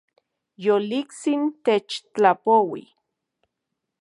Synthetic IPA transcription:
jolikt͡sint̪et͡ʃt͡ɬapowḭ

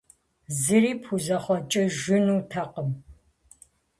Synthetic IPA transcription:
zɨriːpʰuzɐχʷɔt͡ʃʼɐʒɪnuːtʰɐqəm

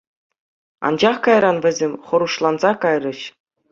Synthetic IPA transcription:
ɑ̰nd͡ʑɑχkɑjrɑnʋʲɘ̆zʲemʲχɤ̆ɾuʂlˠɑnzɑkɑjrɤ̆ɕ

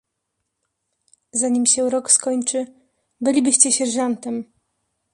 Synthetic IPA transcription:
zaɲimɕɛɾɔkskɔɲt͡ʂɘ | bɘlʲibɘɕt͡ɕɛɕɛɾʐant̪ɛm

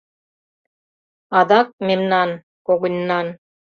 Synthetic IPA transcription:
ɑd̪ɑk̚memnɑn | koɡĭnʲːɑn

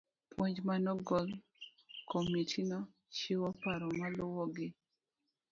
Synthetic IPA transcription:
pwoɲd͡ʒmanɔɡɔl | kʰomitʰinɔ | t͡ʃɪwɔpaɾɔmalʊwɔɡɪ

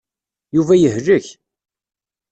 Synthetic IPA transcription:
juvæjəhləç

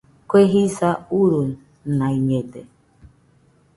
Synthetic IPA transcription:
kʷeɦisauɾun̩ | naiɲede

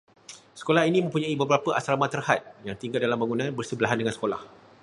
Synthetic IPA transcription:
sə̥kolaɦinĩmə̃mpuɲãibəbəɾapəʔa̰sɾamat̪ərhat̪̚jaŋt̪iŋɡat̚dalambaŋunãnbərsəbəlaɦandəŋãnsə̥kola̰h

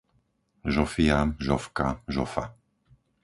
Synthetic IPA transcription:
ʒɔfiaʒɔfkaʒɔfa̰

